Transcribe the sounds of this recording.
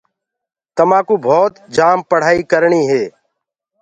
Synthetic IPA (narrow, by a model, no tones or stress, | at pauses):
t̪əmãːkuːbʱoːt̪d͡ʒaːmpəɽ̤aːiːkəɾɳiːɦeː